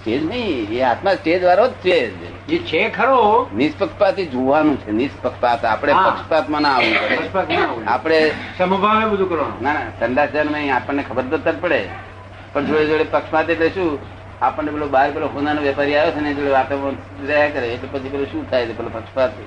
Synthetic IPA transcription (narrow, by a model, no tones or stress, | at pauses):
sʈed͡ʒnəĩeɦat̪mãsʈed͡ʒʋaɾod̪t͡ʃʰed͡ʒ̰ | et͡ʃʰekʰəɾonispəkʃpat̪id͡ʒoʋanũt͡ʃʰenispəkpat̪a̰pəɽ̃epəkʃpat̪mãnãaʋũkəəkʃpat̪mãa̰pɽ̃esəmbʱaʋebəd̪ʱũkəɾʋano̰nanasəɳɖasd͡ʒanmə̃ĩapəɳːekʰəbəɾt̪ətt̪apəɽe | pəɳd͡ʒoɭed͡ʒoɭepəkʃpat̪eʈleʃũ | apəɳːebelobaɾbeloɦõnanõʋjɛpaɾiajot͡ʃʰenẽd͡ʒoɭeʋat̪amã | ɾəɦakəɾeːʈlepət͡ʃʰibeloʃũt̪ʰajt̪ebəlopəkʃpat̪